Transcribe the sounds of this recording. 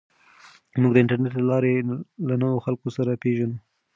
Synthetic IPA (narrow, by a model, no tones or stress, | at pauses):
muɡd̪əɪɳʈaɾneʈləlɑɾelanəwoxalkosaɾapeʒanu